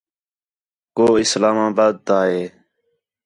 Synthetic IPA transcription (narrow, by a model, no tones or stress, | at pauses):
koːɪslaːmaːbaːd̪̚ːaːɦeː